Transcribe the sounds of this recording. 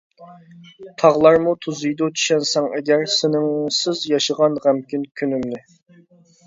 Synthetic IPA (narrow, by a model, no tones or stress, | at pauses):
t̪ʰɑʁlˠɑɾmut̪ʰuzɨjd̪ut̪ʰy̥ʃɛnsɛŋɛɡʲæɾsɪnɪŋsɪzjɑʃəʁɑnʁæmkʲynkʲʰynymnɪ